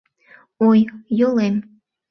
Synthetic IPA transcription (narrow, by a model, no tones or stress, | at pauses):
ojjolem